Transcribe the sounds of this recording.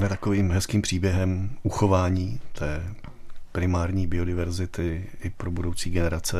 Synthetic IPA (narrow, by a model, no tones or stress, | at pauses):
mɛt̪akoviːmɦɛskiːmpr̥iːbjɛɦɛmʔuxo̞vaːɲiːt̪ʰɛː | pɾɪmaːɾɲiːbɪo̞dɪvɛɾzɪt̪ɪʔɪpɾobudowt͡siːɡɛnɛɾat͡sɛ